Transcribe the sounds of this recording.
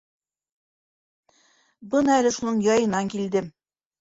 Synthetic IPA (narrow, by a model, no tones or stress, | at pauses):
bɤnɑælɘʃunɤɴjɒjɤ̆nɑŋkild̪ɘm